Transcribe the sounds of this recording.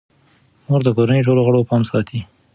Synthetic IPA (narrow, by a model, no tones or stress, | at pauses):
moɾd̪əkoɾanejʈ̬oloɣəɽopɑmsɑt̪ʰi